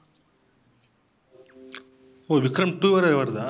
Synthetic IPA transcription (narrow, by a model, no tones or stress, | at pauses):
oːʋikɾɐmʈuɐɾɐʋɐɾd̪a